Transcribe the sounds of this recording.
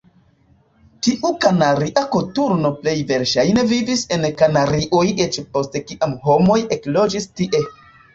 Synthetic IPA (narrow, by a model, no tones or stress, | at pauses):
tiʔukanaɾiʔakotuɾno̞ple̞jve̞ɾʃajne̞vivise̞nkanaɾiʔojet͡ʃpo̞ste̞kiʔamhomo̞je̞klo̞d͡ʒistiʔe̞